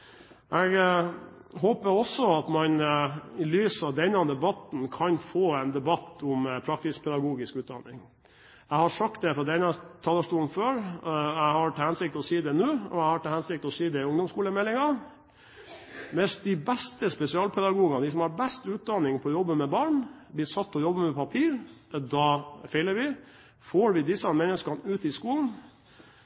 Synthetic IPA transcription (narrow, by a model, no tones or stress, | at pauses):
ʔɛɡ | ɦoːpəɾɔsːɔɑt̪mɑnɪlyːsɑʋd̪ɛnːɑd̪ɛbɑt̪n̩kʰɑnfoːɛɪnd̪ɛbɑt̪ːʊmpʰɾɑk̚t̪ɪspʰɛd̪ɑɡuːɡɪskʉːt̪̚d̪ɑ̰nɪ̰ŋ | ɛɪhɑʂɑk̚t̪̚d̪ɛfɾɔd̪ɛnɑt̪ʰɑːləʂʈuːn̩føːɾɛɪhɑɾʈʰɑhɛnsɪk̚t̪ɔsiːd̪ɛnʉːɔæɪhɑʈɑlhɛnsɪk̚t̪ɔsiːd̪ɛʊŋd̪ɔmskuːləmɛlːɪŋɑ | mɛsd̪ɪbɛst̪əspɛsɪɑːlpʰɛd̪ɑɡuːɡɑd̪ɪs̬ɔmhɑɾbɛst̪ʉːt̪̚d̪ɑnɪŋpʰɔːjɔbːəmɛbɑːɳblɪːsɑt̪ːɔjɔbːəmɛpʰɑpʰiːɾd̪ɑfɛɪləɾʋɪ | foːɾʋɪd̪ɪsəmɛnːəskɑnʉːt̪ɪskuːln̩